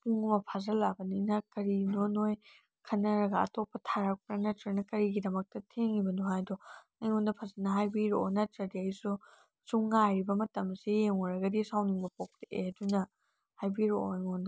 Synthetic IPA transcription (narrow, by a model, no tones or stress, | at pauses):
puŋɐmɐpʰazɐlabɐninɐkɐɾinonoj | kʰɐnːɐɾɐɡɐɐ̰topːɐtʰaɾɐk̚pɾanatɾanɐkɐɾiɡidɐmɐk̚tɐtʰeŋibɐnuɦajdɔ | ajŋondɐpʰazɐnɐɦajbiɾo̰natɾɐdiɐjsu | suŋːajɾibɐmɐtɐmsejeŋɔɾɐɡɐdisawniŋbɐpok̚tɐʔeɐdunɐ | hajbiɾojŋondɐ